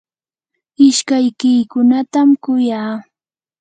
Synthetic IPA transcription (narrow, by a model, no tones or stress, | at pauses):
ɪʃkajkɪːkʊnat̪amkʊjaː